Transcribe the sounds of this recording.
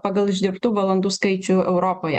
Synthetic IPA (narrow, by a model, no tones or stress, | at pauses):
pɑɡɐlˠɪʒʲd̪ʲɪɾpt̪uːʋɐlˠɐnd̪uːskɐɪt͡ʃʲuɛʊɾoːpoːjɛ̰